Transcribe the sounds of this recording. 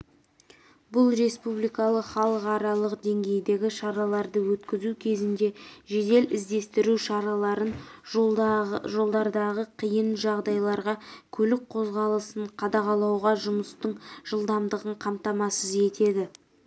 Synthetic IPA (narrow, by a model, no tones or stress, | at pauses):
bʊlˠɾe̞spublijkɑlˠəqχɑlˠəqɑɾɑlˠəqd̪e̞ŋɡʲe̞jd̪e̞ɡʲɪʃɑɾɑlˠɑɾd̪əwɵt̪kʲɪzukʲʰe̞zɪnd̪e̞ʒe̞d̪e̞lʔɪzd̪e̞st̪ɪɾuʃɑɾɑlˠɑɾən | ʒo̞lˠd̪ɑɾd̪ɑʁəqʰijənʒɑʁd̪ɑjlˠɑɾʁɑkʲʰɵlɪk̚qʰo̞zʁɑlˠəsəɴqʰɑd̪ɑʁɑlˠɑwʁɑʒʊməst̪əɴʒ̥əlˠd̪ɑmd̪əʁəɴqʰɑmt̪ɑmɑsəze̞t̪e̞d̪ɪ